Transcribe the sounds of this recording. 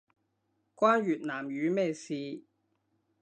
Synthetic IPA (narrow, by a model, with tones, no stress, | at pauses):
kʷaː˥nɥyː˨˩t̚naː˨˩mjyː˨˧mɛː˥˩siː˨˧